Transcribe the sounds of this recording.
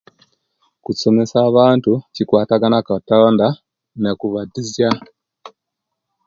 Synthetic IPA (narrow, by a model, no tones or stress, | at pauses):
kusomesaβantucikwaːtaɡanakatɔnda | nekuβadizja